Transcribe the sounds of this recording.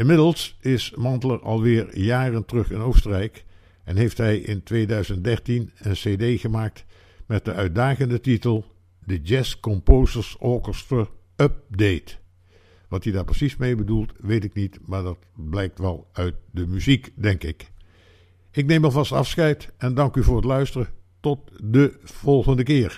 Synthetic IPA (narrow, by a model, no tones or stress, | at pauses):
ɪnmɪdəlˠsɪsmɑntələɹɑ̰lˠʋɪːɹjaːrəntərɵχɪnowstərɛjk | ɛnɦejftɦɛjʔɪ̰ntʋejdœɥzənt̚dɛɹtinənsedejχəmaːk̚t | mɛt̚dəœɥt̚daːχəndətitəlˠ | dəd͡ʒɛskɔmpowzəɹsɔɹkəstəɹ | œp̚dejt | ʋɑtidaːɹprəsismejbədulˠtʋejtɪknitmaːɹdɑtblɛjk̚tʋɛlˠœɥt̚dəmyzikdɛŋkɪk | ɪkneməlˠvɑstɑ̰fsχɛjtɛndɑŋkyvʊːɹətlœɥstərətɔt̚dəv̥ɔlˠχəndəkɪːɹ